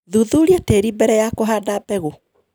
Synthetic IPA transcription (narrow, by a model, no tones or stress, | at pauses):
ðuðuɾjeteːɾibɛɾɛjakoɦaːdabɛɣo